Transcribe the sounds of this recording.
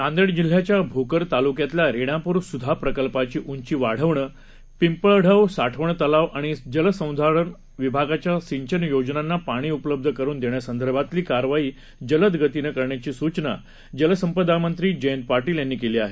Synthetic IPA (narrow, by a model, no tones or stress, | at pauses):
t̪ãnd̪əɽd͡ʑil̤ːjat͡ɕjabʱokəɾt̪alukjat̪laɾeɽ̃ãpuːɾsud̪ʱapɾəkəlpat͡ɕiːʔuɲt͡ɕiːʋaɽ̤əʋɳə | pimpəɭɽʱəʋsaʈʰəʋɳət̪əlaʋʔaɽ̃id͡ʑələsə̃w̃d̪ʱaɾəɳ | ʋibʱaɡat͡ɕjasiɲt͡ɕənjod͡ʑnanːapaɽ̃iːupləb̚d̪ʱəkəɾuːnd̪eɳjasənd̪ʱəɾbʱat̪liːkaɾʋaiː | d͡ʑələt̪ɡʱət̪inekəɾɳjat͡ɕiːsut͡ɕna̰ | d͡ʑələsəmpəd̪amənt̪ɾiːd͡ʑəjənt̪̚paɾʈiːljanːiːkeliːaɦe